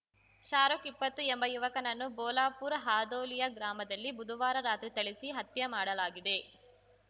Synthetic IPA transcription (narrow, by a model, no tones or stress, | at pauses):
ʃaːɾokipːɐt̪ːuembɐjuʋɐkɐnɐnːubɔːlaːpuːɾɦaːd̪oːlijɐɡɾaːmɐd̪ɐlːibud̪ʱuʋaːɾɐɾaːt̪ɾit̪ɐɭisiɦɐt̪jɐmaːɽɐlaːɡid̪e̞